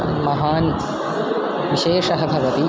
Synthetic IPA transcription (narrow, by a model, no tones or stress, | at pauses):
mɐɦaːn | ʋiʃeːʃɐɦɐbʱɐʋɐt̪i